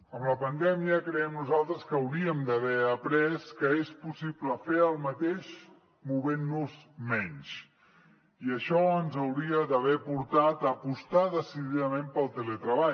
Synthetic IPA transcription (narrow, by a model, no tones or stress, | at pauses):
əmləpənd̪ɛmiəkɾəɛmnuzalˠt̪ɾəskəəwɾiəmd̪əβɛəpɾɛskəespusipləfeəlˠmət̪eʃ | muβenːuzmɛɲz | iəʃɔənzəwɾiəðəβɛpuɾt̪at̪əpust̪aðəsiðiðəmẽmpəlˠt̪elet̪ɾəβa